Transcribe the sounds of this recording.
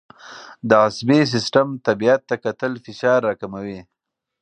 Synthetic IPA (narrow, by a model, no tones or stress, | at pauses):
d̪əasbes̬ɪsʈamt̪abiat̪ːakat̪əlfɪʃɑɾːɑkamawi